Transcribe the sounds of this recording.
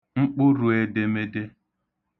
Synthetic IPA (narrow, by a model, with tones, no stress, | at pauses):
ŋ͡m̩˦k͡pʊ˦ɾu˨e˨de˦me˦de˦